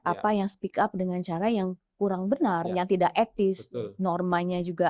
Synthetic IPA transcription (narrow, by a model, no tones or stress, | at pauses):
ʔapajaŋsə̥pikap̚dəŋant͡ʃaɾajaŋ | kuɾaŋbənarjaŋt̪idakɛt̪ɪsnɔrmalɲad͡ʒuɡa